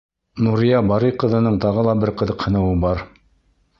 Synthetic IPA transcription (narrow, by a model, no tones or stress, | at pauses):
nuɾijɑbɑɾiqɤ̆ðɤ̆nɤɴt̪ɑʁɤ̆lˠɑbɘɾqɤ̆ðɤ̆qhɤ̆nɤ̆wɤbɑɾ